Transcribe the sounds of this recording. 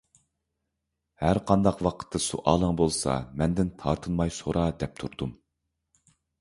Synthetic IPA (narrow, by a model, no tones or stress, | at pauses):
hæɾqʰɑnd̪ɑqwɑqʰə̥t̪ʰːɨsṵʔɑːlˠəŋbolˠsɑ̰mɛnd̪ɪnt̪ʰɑɾt̪ʰɨnmɑjsoɾʔɑd̪ɛp̚t̪ʰuɾd̪um